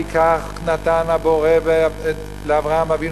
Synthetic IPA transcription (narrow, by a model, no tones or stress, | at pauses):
ikaχ | nat̪anhabo̞ʁe | leavʁaamavin